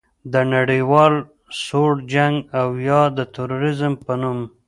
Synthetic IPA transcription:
d̪ənaɽiwɑl | soɽd͡ʒaŋɡawjɑd̪ət̪uɾoɾɪzmpənum

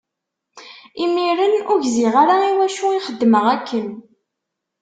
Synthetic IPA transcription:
imiɾənʊʝziʁaɾaiwæʃuiχəd̪ːməʁækʰːən

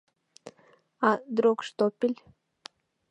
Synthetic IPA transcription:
ad̪ɾokʃt̪opʲilʲ

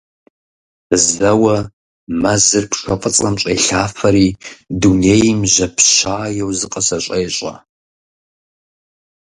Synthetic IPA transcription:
zɐwɐ | mɐzɨrpʰʂʷɐqʼət͡sʼɐmt͡ʃʼeːɬaːfɐɾiːdunejmʒɐpʰɕaːjɛwzɨqʼɐsɐɕʷʼɐjɕʼɐ̰

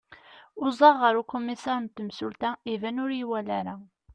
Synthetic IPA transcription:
ʊzˤɑʁːəɾukumisɑɾənt̪ːəmsʊlt̪æivænʊɾiwælæɾæ

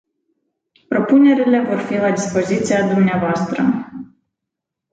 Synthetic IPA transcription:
pɾo̞pune̞ɾile̞vo̞rfilad̪ispo̞zit̪siad̪umneavoast̪ɾə̰

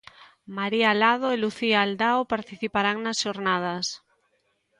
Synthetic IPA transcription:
maɾialað̞oeluθiaːld̪aopaɾt̪iθipaɾaŋnasʃoɾnað̞as

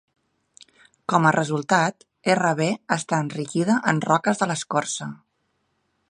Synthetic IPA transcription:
kɔmərʔəzulˠt̪at̪ | erəβ̞eəst̪aənrikiðəʔənrɔkəzðələskɔrsə

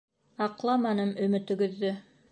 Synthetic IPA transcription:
ɑqlˠɑmɑnɤmɵ̆mɘ̆t̪ɵ̆ɡɵ̆ðːɵ

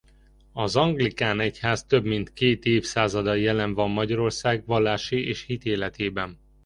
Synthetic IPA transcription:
ɒzɒŋɡlikaːnɛchaːzt̪ø̞bmint̪keːt̪eːfsaːzɒd̪ɒjɛlɛɱvɒmːɒɟɒɾo̞rsaːɡvɒlːaːʃieːʃhit̪eːlɛt̪ʰeːbɛn

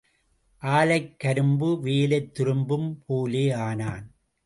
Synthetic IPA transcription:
ʔaːlɐɪkːɐɾɯmbɯʋeːlɐɪt̪ːɪɾɯmbɯmpʰoːleːaːnaːn

